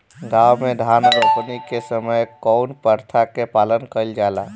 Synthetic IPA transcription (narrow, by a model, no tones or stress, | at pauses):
ɡawmed̪ʱanəpnikesəməjkɔʊnpəɾt̪ʰakepalənkəld͡ʒala